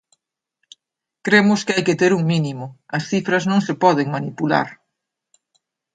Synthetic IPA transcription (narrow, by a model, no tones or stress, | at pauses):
kɾemʊskɪajkɪt̪eɾuŋminimʊɐsθifɾɐznõŋsɪpɔðɪŋmanipula̰ɾ